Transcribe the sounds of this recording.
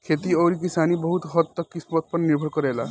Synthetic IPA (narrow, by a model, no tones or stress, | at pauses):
kʰet̪ioːɾikisaːnibɔɦut̪ɦɔt̪ːɔkkːispɔt̪̚pəɾniɾbʱəɽkɔɾɛːla